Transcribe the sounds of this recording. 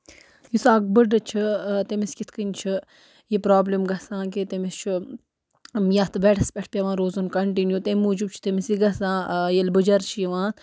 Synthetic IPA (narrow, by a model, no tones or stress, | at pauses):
jusaːɡ̚bəɖɨt͡ʃʰit̪emiskit̪ʰkɨnʲt͡ʃʰɨ | jipɾaːblimɡɐsãːket̪emist͡ʃʰu | jɐt̪ʰʋeʈʰɐspʲeʈʰpʲɐʋãːɾoːzɐnkɐɳʈinjut̪emuːd͡ʒubt͡ʃʰi̥t̪emisiɡɐsãːjɐlbɨd͡ʒɐɾt͡ʃʰijiʋãː